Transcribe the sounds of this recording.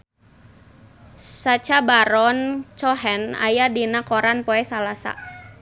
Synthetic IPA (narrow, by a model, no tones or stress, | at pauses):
sat͡ʃabaɾɔnt͡ʃɔɦɛna̰jadinakɔɾanpɔɛsalasa̰